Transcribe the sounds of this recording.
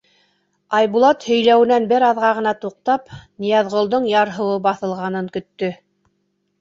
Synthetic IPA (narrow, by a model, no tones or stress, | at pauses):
ɑjβulˠɑt̪hɵ̆jlæwɘ̆nænbɘɾɑðʁɑʁɤ̆nɑt̪uq̚t̪ɑpnʲijɑðʁŏlˠd̪oɴjɑɾɦɤ̆wɤbɑθɤ̆lˠʁɑn̪ɤŋkɵ̆t̪ːɵ